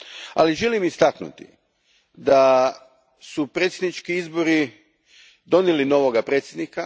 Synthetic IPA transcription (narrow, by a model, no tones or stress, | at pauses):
a̰liʒelimist̪aknṵt̪ḭ | d̪a | supɾet̪sʲjed̪nit͡ʃkiizbo̞ɾi | d̪o̞nelino̞ʋoɡapɾe̞ːt̪sjed̪nika